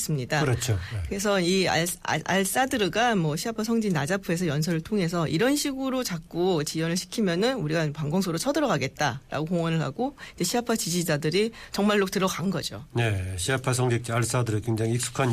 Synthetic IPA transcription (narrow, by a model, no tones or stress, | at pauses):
s͈ɯmɲidaɾʌt͡ɕʰokɯɾe̞s̬ʰʌia̰a̰ɭs͈adɯɾɯɡamwʌɕʰiapʰasʰʌŋd͡ʑinad͡ʑapʰɯe̞s̬ʰʌjʌns̬ʰʌɾɯɭtʰoŋe̞s̬ʰʌʔiɾʌnɕʰiɡɯɾot͡ɕak̚k͈ot͡ɕijʌnɯɭɕʰi̥kʰimjʌnɯnuɾiɡanpaŋɡʌŋs̬ʰoɾot͡ɕʰʌdɯɾʌɡaɡe̞t̚t͈aɾa̰ɡokoŋwʌnɯɭɦa̰ɡoid͡ʑe̞ɕʰiapʰat͡ɕid͡ʑid͡ʑadɯɾit͡ɕʌŋmaɭːok̚t͈ɯɾʌɡanɡʌd͡ʑo̰ne̞ɕʰiapʰasʰʌŋd͡ʑik̚t͡ɕ͈iaɭs͈adɯɾɯkweŋd͡ʑaŋiːk̚s͈ʰu̥kʰan